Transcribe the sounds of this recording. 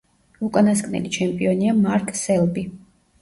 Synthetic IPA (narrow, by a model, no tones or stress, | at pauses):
ukʼanaskʼnɛ̰lit͡ʃʰɛmpʼiɔniamaɾkʼsɛlˠbi